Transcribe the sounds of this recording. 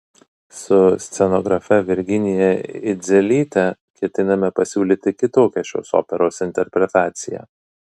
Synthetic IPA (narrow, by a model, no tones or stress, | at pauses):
sʊsʲt̪sʲɛnɔɡɾɐfʲɛʋʲɪɾʲɡʲɪnʲɪjɛɪd̪zʲɛlʲiːt̪ʲɛ | kʲɛt̪ʲɪnɐmʲɛpɐsʲuːlʲiːt̪ʲɪkʲɪt̪oːkʲɛʃʲɛ̰so̰ːpʲɛɾoːsɪnʲt̪ʲɛɾʲpʲɾʲɛt̪ɑːt̪sʲɪjɛ̰